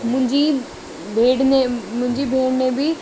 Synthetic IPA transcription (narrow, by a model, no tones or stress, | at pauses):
mʊ̃ɲd͡ʒiː | bʱeːɽneːmʊ̃ɲd͡ʒiːbʱeːɽneːbiː